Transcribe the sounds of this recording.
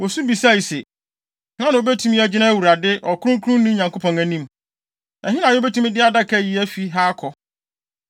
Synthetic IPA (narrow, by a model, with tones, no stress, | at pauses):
wo˨su˦bi˨sa˦˨i˨sɛ˨˦ | ã˦nã˨o˨be˦tʰũ˦mĩ˦æ˦˨d͡ʑɪ˦nã˦æ˦˨wu˨ɾa˨dɪ˦ʔɔ˨kʰʊ˦ɾʊ̃˦kʰu˦ɾũ˦n˦nĩ˦ɲã˨ŋkʰo˦pʰɔ̃˨ŋæ˨nĩ˦m | nã˨ɦɪ˦nã˨jɛ˦be˦tʰũ˦mɪ̃˦dɪ˦a˦˨da˦kʰɛ˦˨ji˦æ˦fi˦ɦaː˦kʰɔ˨